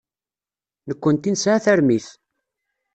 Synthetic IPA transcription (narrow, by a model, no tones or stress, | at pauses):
nəkʷːənt̪insʕaθæɾmiθ